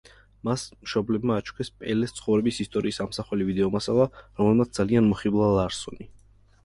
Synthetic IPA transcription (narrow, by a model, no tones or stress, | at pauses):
masmʃɔblɛbmaːt͡ʃʰu̥kʰɛspʼɛlɛst̪sʰχɔvɾɛbisist̪ʼɔɾiːsamsaχɛlivid̪ɛɔmasalˠaɾɔmlɛlˠmat̪d̪zalianmɔχiblˠalˠaɾsɔni